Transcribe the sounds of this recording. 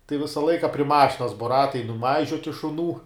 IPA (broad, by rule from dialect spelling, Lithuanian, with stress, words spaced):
tɐɪ ˈʋʲɪsɐ ˈlˠɐɪkɐ pʲrʲɪ ˈmɑːʃʲɪnɐs boː ˈrɑːtɐɪ nʊˈmɐɪʒʲoːtʲɪ ʃʊˈnuː